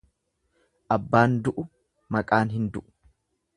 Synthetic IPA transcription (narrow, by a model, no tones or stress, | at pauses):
ʔɐbːaːnd̪ʊʔʊ | mɐkʼaːnɦɪnd̪ʊ̰ʔʊ̥